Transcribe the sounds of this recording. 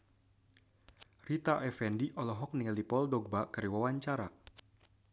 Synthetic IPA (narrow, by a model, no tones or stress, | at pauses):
rit̪aʔɛfɛndiʔɔlɔɦɔk̚nilipɔldɔɡ̚bakəɾiwawaɲt͡ʃaɾa